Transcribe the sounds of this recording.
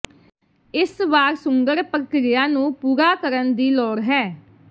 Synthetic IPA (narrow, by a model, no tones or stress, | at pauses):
ɪsʋaːɾsʊŋɡəɾpəɾkɾɪjãːnũːpuːɾaːkəɾənd̪iːlɔːɾɦɛː